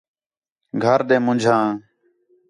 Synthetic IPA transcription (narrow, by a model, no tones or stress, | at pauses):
ɡʱəɾɗ̪ẽːmʊ̃nd͡ʒʱãː